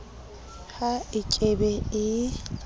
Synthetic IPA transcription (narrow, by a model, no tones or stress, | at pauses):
haɪkʼebɛɪ